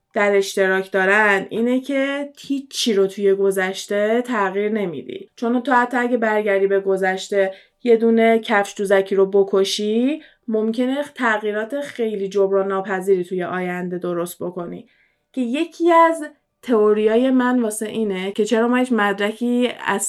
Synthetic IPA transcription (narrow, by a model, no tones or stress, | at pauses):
d̪̥æɾe̞ʃt̪e̞ɾɒːcʰd̪ɒːɾænd̪ʔiːne̞cʰe̞t̪ʰit͡ʃʰːiɾot̪ʰuje̞ɡo̞zæʃt̪e̞t̪ʰæɣiːɾne̞mḭd̪ḭt͡ʃʰo̞nt̪ohæt̪ʰːɒæɟe̞bæɾɟæɾiːbe̞ɡo̞zæʃt̪e̞ | je̞d̪uːne̞cʰæfʃt̪uːzæcʰiɾo̞bo̞kʰoʃi | mo̞mcʰe̞net̪ʰæɣiːɾɒːt̪ʰe̞xe̞jliːd͡ʒobɾɒːnːɒːpʰæziːɾiːt̪ʰuje̞ʔɒːjænd̪e̞d̪o̞ɾo̞st̪̚bo̞ko̞nḭ | cʰe̞je̞cʰiæz | t̪ʰe̞oɾijɒːje̞mænvɒːse̞ʔiːnecʰe̞t͡ʃʰe̞ɾɒːmɒːhit͡ʃmæd̪ɾækʰiːæ̰z̥